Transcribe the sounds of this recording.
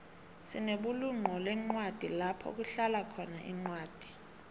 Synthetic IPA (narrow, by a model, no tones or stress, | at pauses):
sineɓuluŋ͡ǃʱɔlɛŋ͡ǃwad̥ʱilapʰɔ̰k̬uɬalakʰɔnaʔḭŋ͡ǀwaːd̥ʱi̥